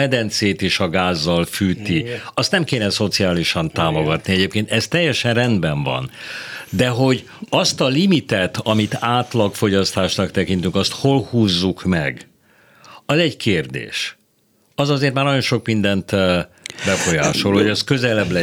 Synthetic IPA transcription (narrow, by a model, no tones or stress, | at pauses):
ɛd̪ɛnt̪seːt̪eːʃɒɡaːzːɒlfyːt̪iɒst̪nɛmkeːnɛso̞t̪siaːliʃɒnt̪aːmo̞ɡɒt̪niɛɟeːpkeːnt̪ɛst̪ɛjːɛʃɛnrɛnd̪bɛɱvɒ̰nd̪ɛɦo̞ɟ | ɒst̪ɒlimit̪ɛt̪ɒmit̪aːt̪lɒkfo̞ɟɒst̪aːʃnɒkt̪ɛkint̪yŋkɒst̪ho̞lhuːzːukmɛ̰ɡ | ɒzɛɟkʰeːrd̪ḛːʃ | ɒzɒzeːrt̪maːrnɒɟjo̞nʃo̞kmind̪ɛnt̪ | bɛfo̞jaːʃo̞lho̞ɟɛskø̞zɛlɛblɛ